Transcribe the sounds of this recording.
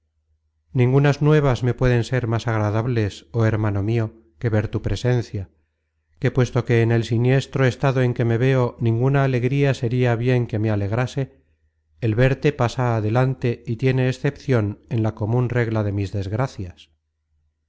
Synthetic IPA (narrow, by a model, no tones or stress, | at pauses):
nĩŋɡunaznwe̞β̞azme̞pwe̞ðe̞nse̞ɾmasaɣɾaðaβle̞so̞e̞ɾmano̞mio̞ | ke̞βe̞ɾt̪upɾe̞se̞nθja | kepwe̞st̪o̞ke̞ːne̞lsinje̞st̪ɾo̞e̞st̪aðoe̞ŋke̞me̞βe̞o̞nĩŋɡunaːle̞ɣɾiase̞ɾiaβje̞ŋke̞me̞ale̞ɣɾase̞ː | lβe̞ɾt̪e̞pasaːðe̞lant̪e̞it̪je̞ne̞ːsθe̞pθjo̞ne̞nlako̞mũnre̞ɣlaðe̞mizðe̞zɣɾaθjas